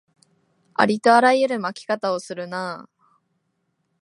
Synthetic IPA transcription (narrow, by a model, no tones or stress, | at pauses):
a̰ɾʲit̪o̞aɾajɯɾɯ̟makʲi̥kat̪ao̞sɨɾɯ̟na